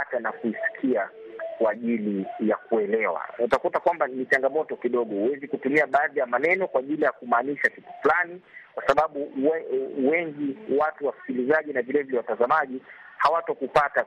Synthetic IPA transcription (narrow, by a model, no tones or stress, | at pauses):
atanakuisi̥kʰiakwaːʄilijakuɛlɛwa̰utakutakwambanit͡ʃaŋɡamɔtɔkiɗɔɠɔhuwɛzikutumiaɓaaðijamanɛnɔkwaʄilijakumaːniʃakitu̥flanikwasaɓaɓu | wɛŋɡiwatuwasi̥kilizaʄinavilɛvilɛwatazamaʄihawatɔkupata